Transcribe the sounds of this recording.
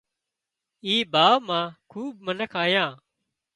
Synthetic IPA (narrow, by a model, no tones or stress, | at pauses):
iːbaːʋmãːkʰuːb̚mənəkʰaːjãː